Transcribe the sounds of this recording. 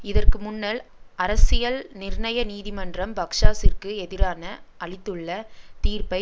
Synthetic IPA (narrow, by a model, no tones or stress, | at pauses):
ɪðɐrkɯmʊnːɐlʔɐɾɐsɪjɐlnɪɾɳɐjɐniːðɪmɐndrɐmbɐkʂaːsɪrkɯɛðɪɾaːnɐʔɐɭɪt̪ːɯɭːɐt̪iːrpɐɪ